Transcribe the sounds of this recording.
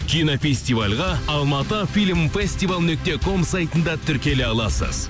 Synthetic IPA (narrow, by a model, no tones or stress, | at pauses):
kʲʰijnofʲe̞sʲt̪ivalʲʁɑɑlˠmɑt̪əfilʲmfesʲt̪ijvalˠnɵk̚t̪e̞kʰo̞msajt̪ənd̪ɑt̪ʰʏɾkʲe̞leɑlˠɑsə̰z̥